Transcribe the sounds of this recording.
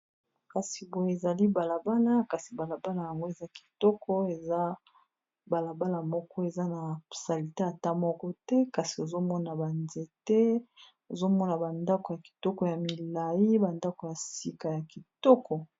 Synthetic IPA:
ka˨si˨bo˨je˦e˨za˨li˦ba˨la˨ba˦la˦ka˨si˨ba˨la˨ba˦la˨ja˨ŋɡo˦e˨za˦ki̥˨tɔ˦kʰɔ˦e˨za˦ | ba˨la˨ba˦la˨mɔ˦kɔ˦e˨za˦na˨sa˨li˨ta˦ja˨ta˦mɔ˦kɔ˦tɛ˦ka˨si˨o˨zo˦mɔ˦na˨ba˨nze˨tɛ˦ | o˨zo˦mɔ˦na˨ba˨nda˦ko˨ja˨ki̥˨tɔ˦kɔ˨ja˨mi˨la˨ji˦ba˨nda˦ko˨ja˨si˦ka˨ja˨ki˨tɔ˦kʰɔ˨

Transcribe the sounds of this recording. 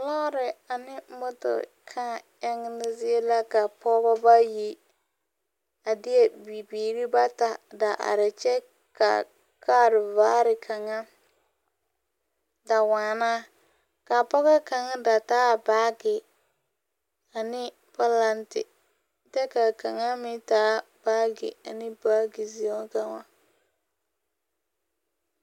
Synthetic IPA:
la˦ɾɪ˨a˨nɪ˦mʊ˦tʊ̰˨ | kʰa˦˨ja˦ŋɪ˦nɪ˦zɪ˦e˦la˦ka˨pɔ˦ba˦ba˦ji˦ | a˨dɪ˦ɛ˦bi˨biː˨ɾi˦ba˦ta˨da˨ʔa̰˨ɾɪ˨t͡ʃɛ˦ | ka̰˨ | kʰa˦ɾɪ˨vaː˦ɾɪ˨kʰa˨ŋa˦ | da˨waː˨naː˦ | ka˨pɔ˦ɣɛ˦ka˨ŋa˦da˨taː˦baː˦ɡɪ˨ | a˨nɪ˦ | pa˦la˦ntɪ̰˨ | tɛ˦ka˨ka˨ŋa˦mɪ˦taː˦ | b̥aː˦ɡɪ̰˨a̰˨nɪ˦baː˦ɡi˨zi˨˦a˦ka˨ŋa˦

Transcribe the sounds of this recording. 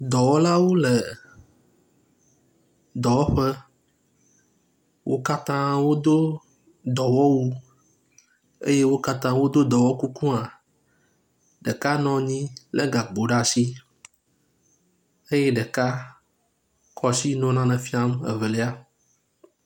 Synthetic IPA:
d̪ɔ˨wɔ˦la˦wo˦lə˨ | d̪ɔ˨wɔ˦ɸə˦ | wo̰˦ka˦t̪ã˦wo˦d̪o˦ | d̪ɔ˨wɔ˦wu˦ | ḛ˦je˦wo˦ka˦t̪ã˦wo˦d̪o˦d̪ɔ˨wɔ˦ku˦kũ˦a˨ | ɖə˨ka˦nɔ̃˨ɲĩ˦lʔə̰˦ɡa˨ɡ͡bo˨ɖa˦si˦ | e˦jɛ˦ɖə˨ka˦ | kʰɔ˨si˦nɔ̃˦nã˦nɛ̃˨fi˦a˦mə̰˨ve˨le˦a˦

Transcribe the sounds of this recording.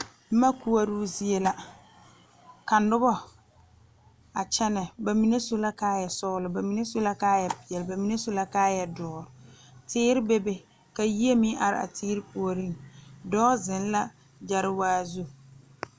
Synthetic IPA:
m̩˦ma˦ku˦a˦ɾu˦zi˦e˦la˦ | ka˨nʊ˦bɔ˦ | a˨t͡ʃɛ˦nɛ˨ba˨mi˨ne˦sʊ˦la˦kaː˦jɛ˨sɔ˦lʊ˨ba˨mi˨ne˦sʊ˦la˦kaː˦jɛ˨pɪ˨ɛ˨lba˨mi˨ne˦sʊ˦la˦kaː˦jɛ˨dɔː˨˦˨ɾʊ˨tɪː˦ɾɪ˦be˦be˦ | ka˨ji˦e˦mɪ˦ʔa˨ɾɪ̰˦˨ʔa̰˨tʰɪː˦ɾɪ˦pu˨o˨ɾi˦˨ŋdɔː˦zɪ˨n˦la˦ | d͡ʒa˨ɾɪ˦waː˦zu˦

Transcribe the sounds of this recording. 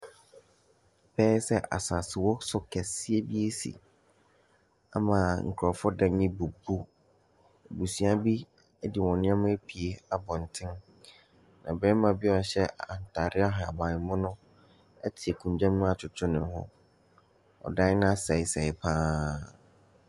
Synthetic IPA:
pʰɛː˦sɛ˦ʔa̰˨sa˨sɪ˨wɔ˦sʊ˨kʰɛ˨sɪ˦e˦bi˦e˦sḭ˨ | a̰˨mãː˨ŋ̩˨kʰʊ˨ɾɔ˨fɔ˦dã˦ɲɪ̃˦bu˨bu˦˨ | bu˨sĩ˨˦a˦bi˦ | ɛ˦dɪ˨wɔ̃˨nɪ̃˦ã˦mã˦pʰi˨e˦a˨bɔ̃˨n̩˨tʰɪ̃˦n | nã̰˨bɛ˦mã˨bɪ˦ɔ˨ɕɛ˦˨a˨n˨tʰa˨ɾɪ˦a˦ɦa˨a̰˨bãː˨ɪ̃˨mʊ̃˦nʊ̃˦ | ɛ̰˦tʰɪ˨ɛ˨kʰũ˨ɲ˨d͡ʑᶣã˦mːʊ̃˦a˨t͡ʃʰʊ˨tʰʊ˦nɪ̃˨˦hɔ̰̃˦ | ɔ̰˨dã˦ɪ˦nã˦a˦sɛ˨ɪ˨sɛ˨ɪ˨pʰãː˦

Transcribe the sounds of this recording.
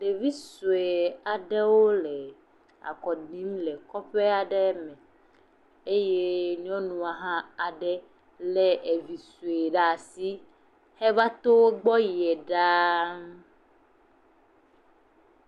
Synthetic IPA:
ɖe˨vi˦su˨e˨a˨ɖɛ˦wo˦lɛ˨ | a̰˨kɔ˨ɖĩ˦mlɛ˨kɔ˦ɸe˦a˨ɖɛ˦mɛ̃˨ | e˦je˦ɲɔ̃˦nũ˨a˨ɦã˦a˨ɖɛ˦ | lɛ˦ʔe˨vi˨su˨e˨ɖa˨si˦ | hɛ˦va˦t̪o˦wo˦ɡ͡bɔ˦ji˨ɛ˨ɖa˦

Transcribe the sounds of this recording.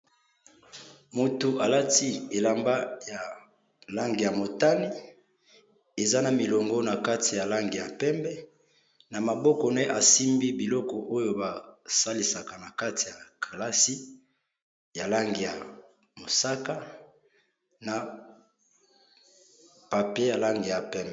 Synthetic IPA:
mo˨tu˨ʔa˨la˦ti˦e˨la˨mba˦ja˨ | la˦ŋɡi˨ja˨mo˨ta˦ni˦ | e˨za˦na˨mi˨lɔ˨ŋɡɔ˦na˨ka˦ti˨ja˨la˦ŋɡi˨ja˨pɛ˦mbɛ˦ | na˨ma˨bɔ˦kɔ˨nɛ˦ʔa˨si˦mbi˦bi˨lɔ˦kɔ˨ʔo˦jo˨ba˨sa˦li˨sa˨ka˨na˨ka˦ti˨ja˨kʰa˨la˦si˦ | ja˨la˦ŋɡi˨ja˨ | mo˨sa˦ka˦ | na˨ | pa˨pe˦ja˨la˦ŋɡi˨ja˨pɛ˦mbɛ˨

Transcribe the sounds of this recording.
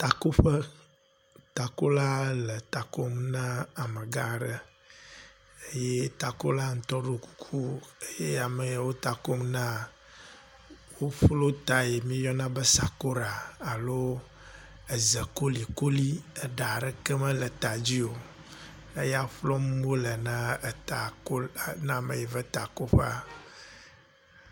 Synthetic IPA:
t̪a˨ku˦ɸə˦ | t̪a˨ko˦la˦lə˨t̪a˨ko˦mnã˦a˨mə˨ɡa˦˨ɖə˦ | e˦je˦t̪a˨ko˦la˦ŋ̩˨t̪ɔ˦ɖo˦ku̥˦kʰu˦e˦je˦a˨mə˨jwo˦t̪a˨ko˦mnã˦ | wo˦flo˦t̪a˨je˨mĩ˦jɔ˦nã˦bə˦sa˨ko˦ɾa˨a˨lo˦ | ɛ˨zɛ˨ko˦li˨ko˦li˦e˨ɖa˨ɖɛ˦kɛ˦mɛ˦lɛ˨t̪a˨d͡ʑi˦o˨ | e˦ja˦ɸlɔ˦m˦bo˦le˨nã˦˨t̪a˨ko˦˨nã˦˨me˨je˨vɛ˦t̪a˨ko˦ɸa˦

